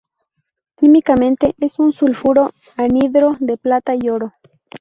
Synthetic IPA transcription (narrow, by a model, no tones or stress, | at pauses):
kimikamẽ̞nt̪e̞ʔesunsulfuɾo | aniðɾod̪eplat̪aioɾo